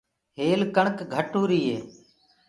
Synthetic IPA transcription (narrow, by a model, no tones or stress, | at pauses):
ɦeːlkəɳkɡʱəʈuːɾiːɦeː